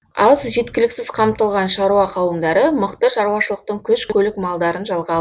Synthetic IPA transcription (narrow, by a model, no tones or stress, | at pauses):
ɑzʒe̞t̪kʲɪlɪksɪz̥qʰɑmt̪əlˠʁɑnʃɑɾuɑqʰɑwəmd̪ɑɾəməqt̪əʃɑɾuwɑʃəlˠəq̚t̪əɴkʲʰɵʃkʲʰkʰʲɵlɪkmɑlˠd̪ɑɾənʒɑlˠʁɑ